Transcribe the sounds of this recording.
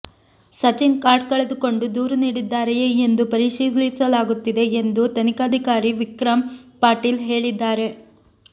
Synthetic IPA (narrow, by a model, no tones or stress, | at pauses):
sɐt͡ʃinkaːɾɖ̚kɐɭed̪uko̞ɳɖud̪uːɾuniːɽid̪ːaːɾɐjeend̪upɐɾiʂiːd̪lisɐlaːɡut̪ːid̪e̞ːnd̪ut̪ɐnikaːd̪ʱikaːɾiʋikɾɐmpaːɾʈiːlɦe̞ːɭid̪ːaːɾe̞